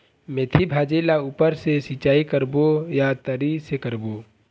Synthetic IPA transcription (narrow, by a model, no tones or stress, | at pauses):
met̪ʰibʱaːd͡ʒeːlauːpəɾsesit͡ʃaːikəɾbojat̪əɾisekəɾboː